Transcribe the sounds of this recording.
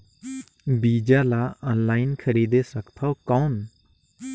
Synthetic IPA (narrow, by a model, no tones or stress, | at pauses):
bid͡ʒalaɔ̃nlajnkʰəɾid̪esakpʰawkawn